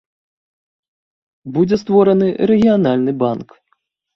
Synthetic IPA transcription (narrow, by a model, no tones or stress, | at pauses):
bud͡zʲɛst̪vɔɾɐnɨɾɛɣʲijanalʲnɨbank